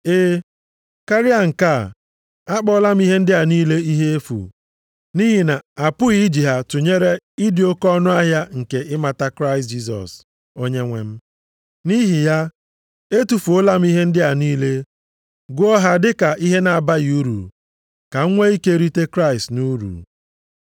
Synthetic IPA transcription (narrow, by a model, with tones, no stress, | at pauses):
e˦ | ka˦ɾɪ˦a˨ŋ̩˨ka˦˨ | a˦k͡pɔ˦la˦m̩˦i˦ɦe˦n̩˦dɪ˦a˨niː˦le˦i˦ɦe˦e˦fṵ˨ | ni˦ɦi˨na˨a˨pʊ˦i˦d͡ʒi˨ɦa˨tʊ˨ɲe˦ɾe˦i˦dɪ˨o˦kɔ˦nʊ˦a˦ɦja˦ŋ̩˨ke˨ɪ˦ma˨ta˦kɾa˦ɪ˨std͡ʒi˦s̬ɔ̰˨s | o˦ɲe˦ŋʷḛ˨m̩˦ | ni˦ɦi˨ja˦ | e˦tu˨fu˨o˦la˦m̩˦i˦ɦe˦n̩˦dɪ˦a˨niː˦le˦ | ɡʷʊ˦ɔ˦ɦa˦dɪ˦ka˨ʔi˦ɦe˦na˨a˨ba˦ju˦ɾṵ˨ | ka˨ŋ̩˦ŋʷe˦i˦ke˦ɾi˦te˦kɾa˦ɪ˨stnu˦ɾṵ˨